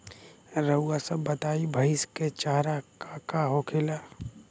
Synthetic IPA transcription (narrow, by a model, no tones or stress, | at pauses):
ɾəwasəbət̪aːibʱəɪsket͡ʃaːɾakakaɦokʰelaː